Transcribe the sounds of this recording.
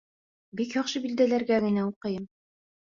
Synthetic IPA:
bikjɑqʃɤbild̪ælæɾɡæɡɘ̆næuqɤ̆jɤm

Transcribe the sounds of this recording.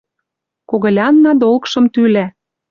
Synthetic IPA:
koɣɤ̆lʲɑnːɑd̪olkʃɤ̆mt̪ylæ

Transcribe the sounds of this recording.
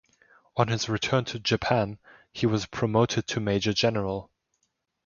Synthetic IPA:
ə̃nɪzɹɨtʰɜ̃˞ntʰɨd͡ʒɨpʰæ̃n | iwʌz̥pʰɹ̥əmoʊɾɨd̚tʰəmeɪd͡ʒəd͡ʒɛnə˞əlˠ

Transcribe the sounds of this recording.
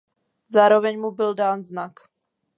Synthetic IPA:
zaːɾovɛɲmubɪldaːnznak

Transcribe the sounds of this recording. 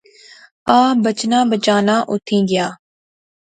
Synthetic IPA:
aːbət͡ʃnãːbət͡ʃaːnaːʔʊt̪ʰĩːɡɪjaː

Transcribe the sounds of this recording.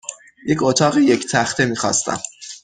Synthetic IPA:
jecʰot̪ʰɒːɣijecʰt̪ʰæxt̪ʰemiːxɒ̰ːst̪æ̰m

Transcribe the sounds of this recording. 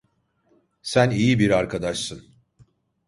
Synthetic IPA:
sænijibiɾaɾkʰad̪aʃsɯn

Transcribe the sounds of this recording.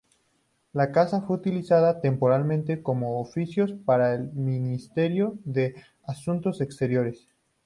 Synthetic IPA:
lakasafwe̞ut̪ilisaðat̪e̞mpo̞ɾalmẽnt̪e̞ko̞mo̞ːfisjo̞spaɾaelmĩnist̪e̞ɾjo̞ðe̞ | asunt̪o̞se̞kst̪e̞ɾjo̞ɾe̞s

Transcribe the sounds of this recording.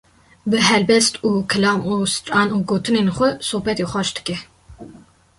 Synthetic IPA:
bɨɦɛlbɛst̪uːkʰɨlɑːmuːsɨ̥t̪ɑːnuːɡoːt̪ʰɨneːnxʷɛsoːbɛt̪eːxʷɑʃd̪ɨ̥kɛ

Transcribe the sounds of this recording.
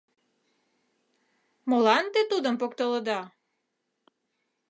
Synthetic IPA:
molɑnt̪et̪ud̪əmpokt̪oləd̪ɑ

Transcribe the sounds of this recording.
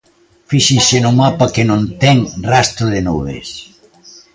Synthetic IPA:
fiʃɪnsɪnʊmapakɪnõnt̪ɛŋrast̪ɾʊðɪnoðḛs

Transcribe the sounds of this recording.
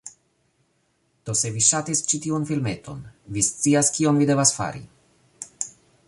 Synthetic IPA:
d̪̥o̞se̞viʃatist͡ʃitiunfilme̞t̪o̞nvist͡siaskio̞nvide̞vasfa̰ɾḭ

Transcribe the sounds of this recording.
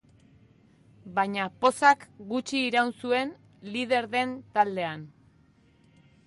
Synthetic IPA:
bajɲapo̞sakɡut͡ʃiːɾawnsue̞n | lið̞e̞ɾðe̞nt̪ald̪e̞an

